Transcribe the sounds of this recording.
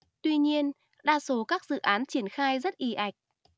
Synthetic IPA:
t̪wi˧ɲi˧ən | ɗaː˧so˨˦kaː˦˥k̚zɨ̰˧˨ʔaː˨˦nt͡ɕi˧˩ənxaː˧jzə˦˥t̚ʔi˨˦ʔa˨˩jk̟̚

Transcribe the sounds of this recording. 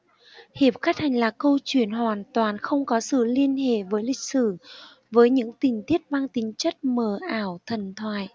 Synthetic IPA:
hi˨˩əp̚xa˦˥t̚t̪ʰa˨˩jŋ̟laː˨˩kə˧wt͡ɕwi˧˩ənɦwaː˨˩nt̪waː˨˩nxə˧wŋ͡mkɔ˨˦sɨ̰˧˨li˧ənhḛ˧˨vəː˨˦jlï˨˩k̟̚sɨ˧˩ | vəː˨˦jɲɨ̰˧˥ŋt̪ï˨˩ŋ̟t̪ʰi˦˥ət̚maː˧ŋt̪ï˨˦ŋ̟t͡ɕə˦˥t̚məː˨˩ʔaː˧˩wt̪ʰə˨˩nt̪ʰwaː˧˨j

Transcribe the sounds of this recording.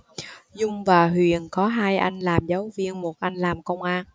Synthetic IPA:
zʊ˧ŋ͡mvaː˨˩ɦwi˨˩ənkɔ˨˦ɦaː˧jʔa˧jŋ̟laː˨˩mza˨˦wvi˧ənmo˨˩t̚ʔa˧jŋ̟laː˨˩mkə˧wŋ͡mʔaː˧n

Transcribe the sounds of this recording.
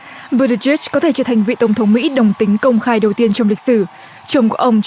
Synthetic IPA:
və˧ɾɨ˧zi˦˥t͡ɕkɔ˨˦t̪ʰe˧˩t͡ɕəː˧˩t̪ʰa˨˩jŋ̟vḭ˧˨t̪ə˧˩wŋ͡mt̪ʰə˨˦ŋ͡mmḭ˧˥ɗə˨˩wŋ͡mt̪ï˨˦ŋ̟kə˧wŋ͡mxaː˧jɗə˨˩wt̪i˧ənt͡ɕɔ˧wŋ͡mli˨˩k̟̚sɨ˧˩ | t͡ɕə˧˩wŋ͡mkṵ˧˩ʔə˧wŋ͡mt͡ɕ

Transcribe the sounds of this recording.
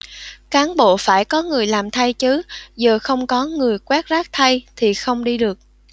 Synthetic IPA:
kaː˨˦nɓo̰˧˨faː˧˩jkɔ˨˦ŋɨ˨˩əjlaː˨˩mt̪ʰa˧jt͡ɕɨ˨˦zəː˨˩xə˧wŋ͡mkɔ˨˦ŋɨ˨˩əjkwaː˦˥k̚zaː˦˥k̚t̪ʰa˧jt̪ʰi˨˩xə˧wŋ͡mɗi˧ɗɨ˨˩ək̚

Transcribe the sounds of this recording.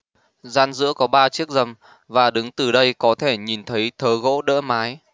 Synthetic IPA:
zaː˧nzɨ̰˧˥əkɔ˨˦ɓaː˧t͡ɕi˦˥ək̚zə˨˩m | vaː˨˩ɗɨ˨˦ŋt̪ɨ˨˩ɗə˧jkɔ˨˦t̪ʰe˧˩ɲi˨˩nt̪ʰə˨˦jt̪ʰəː˨˦ɣo̰˧˥ɗə̰ː˧˥maː˨˦j

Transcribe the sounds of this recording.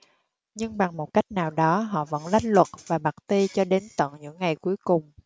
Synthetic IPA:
ɲɨ˧ŋɓa˨˩ŋmo˨˩t̚ka˦˥jk̟̚naː˨˩wɗɔ˨˦ɦɔ̰˧˨və̰˧˥nla˦˥jk̚lwə˨˩t̚v̥aː˨˩ɓa˨˩t̚t̪i˧t͡ɕɔ˧ɗe˨˦nt̪ə̰˧˨nɲɨ̰˧˥ŋːa˨˩jku˨˦əjkʊ˨˩ŋ͡m

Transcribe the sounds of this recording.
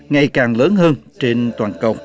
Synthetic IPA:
ŋa˨˩jkaː˨˩ŋləː˨˦nɦəː˧nt͡ɕe˧nt̪waː˨˩nkə˨˩w

